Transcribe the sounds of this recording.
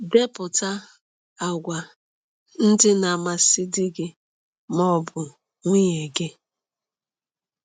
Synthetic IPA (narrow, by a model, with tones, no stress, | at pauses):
de˦pʊ˨ta˦ | a˨ɡʷa˨ | n̩˦dɪ˦na˨ma˨si˦di˦ɡɪ˨ | mɔ˦˨bʊ˨ | ŋʷi˦ɲe˨ɡe˦